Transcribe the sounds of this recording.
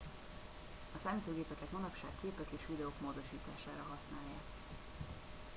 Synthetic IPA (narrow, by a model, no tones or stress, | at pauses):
ɒsaːmit̪øːɡeːpɛkɛt̪mɒnɒpʃa̰ːkːeːpɛk̪eːʃʋid̪ɛokmoːd̪o̞ʃiːt̪aːʃaːɾɒɦɒsnaːjːa̰ːk